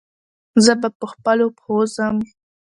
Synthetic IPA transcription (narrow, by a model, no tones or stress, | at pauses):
zəbapəxpəlopozəm